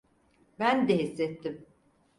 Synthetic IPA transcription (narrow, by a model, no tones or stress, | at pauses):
bænd̪ɛɦisːɛt̪ʰːim